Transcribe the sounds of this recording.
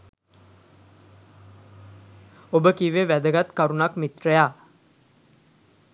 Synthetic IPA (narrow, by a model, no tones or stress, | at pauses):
obəkiʋeʋæd̪əɡat̪kaɾunakmit̪rəjaː